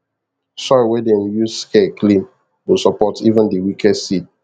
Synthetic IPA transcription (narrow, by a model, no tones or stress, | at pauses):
sɔwɛdewijuzskʰekʰlĩm | wusɔpɔtivə̃ndiwikʰɛdsid̚